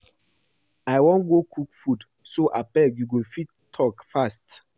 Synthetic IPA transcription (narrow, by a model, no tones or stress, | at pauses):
ajwɔ̃nɡokʰukfud | soʔapɛɡjuɡofitːʰɔkfast